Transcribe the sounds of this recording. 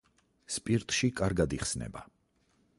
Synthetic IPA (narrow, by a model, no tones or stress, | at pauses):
spʼiɾt̪ʼʃikʼaɾɡad̪iχsnɛ̰ba